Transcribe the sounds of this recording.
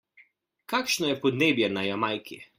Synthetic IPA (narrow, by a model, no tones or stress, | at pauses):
kaːkʃnɔjɛpɔd̪neːbjɛnajamajkʰi